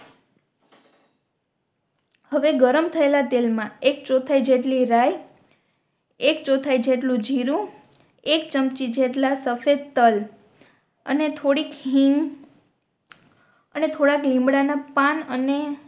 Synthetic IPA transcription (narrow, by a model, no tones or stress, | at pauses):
həʋeɡəɾəmt̪ʰəelat̪elmãek̚t͡ʃot̪ʰaid͡ʒeʈliɾaj | ekt͡ʃot̪ʰaid͡ʒeʈlũd͡ʒʱiɾũ | ek̚t͡ʃəmt͡ʃid͡ʒeʈlasəfed̪̚t̪əl | ə̰net̪ʰoɽikɦiŋɡ | ənet̪ʰoɽaklĩmbɽanapanəne